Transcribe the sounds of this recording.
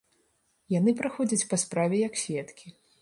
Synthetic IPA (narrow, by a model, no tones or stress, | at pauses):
janɨpɾɨxɔd͡zʲɐt͡sʲpaspɾavʲɛjɐksʲvʲɛt̪kʲi